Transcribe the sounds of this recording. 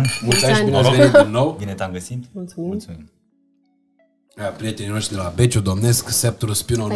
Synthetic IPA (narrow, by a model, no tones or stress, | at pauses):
mult̪aʃb̪ineveitdinːo̞wbinet̪amɡəsit̪mut̪slsumim | apɾijet̪eninoʃt̪ɾid̪elabe̞t͡ʃud̪o̞mne̞sksep̚t̪oɾuspiuno